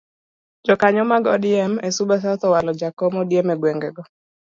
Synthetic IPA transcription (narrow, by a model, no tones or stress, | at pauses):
d͡ʒɔkaɲɔmaɡɔdɪɛmesubas̬at̪ɔwalɔd͡ʒakɔmɔdjemɛɡweŋɡɛɡɔ